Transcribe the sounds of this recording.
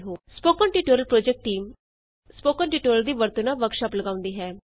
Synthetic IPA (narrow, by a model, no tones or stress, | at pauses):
ɦoːspoːkənʈiːʈoːɾəlpɾoːd͡ʒɛk̚ʈːiːm | spoːkəːnʈiːʈoːɾəld̪iːʋəɾt̪ənaːʋəkʃaːpləɡaːʊ̃nd̪iːɦɛː